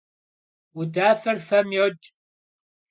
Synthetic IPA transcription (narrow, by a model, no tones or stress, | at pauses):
wʊdaːfɐrfɐmjɔt͡ʃʼ